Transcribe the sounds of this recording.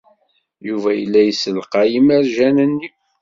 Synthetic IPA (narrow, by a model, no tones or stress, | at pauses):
juvæjəlːæjəsəlqɑjəməɾʒænənːi